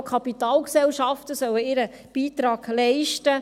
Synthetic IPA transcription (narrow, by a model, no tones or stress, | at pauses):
kʰɑpitɑːlksɛlʃɑftəsœwəɪɾə | b̥iːt̪ɾɑːɡ̥lɛɪʃtə